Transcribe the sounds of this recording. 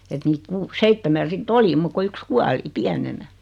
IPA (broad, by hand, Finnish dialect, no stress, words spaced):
et niːt kuː seitːemæn̞ sitː oli muk ko yks kuɑli piænenæ